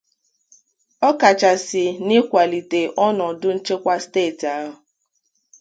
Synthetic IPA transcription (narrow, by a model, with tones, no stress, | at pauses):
ɔ˦ka˨t͡ʃa˨sɪ˨nɪ˦kʷa˨li˨te˨ʔɔ˦nɔ˨dʊ˦n̩˦t͡ʃe˦kʷa˦steː˦˨ta˦ɦɦʊ˨